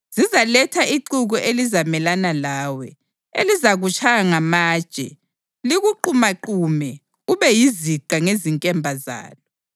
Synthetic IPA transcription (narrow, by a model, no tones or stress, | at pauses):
z̥izalɛtʰaiǃuɣɔʔelizamɛlanalaːwɛ | elizaɣut͡ʃʰʼaŋamaːd̥ʒ̥ʼʱɛ̰ | liɣuǃumaǃumɛ | uβɛjiziǃʱaŋeziŋkʼɛmbʱaza̰ːlɔ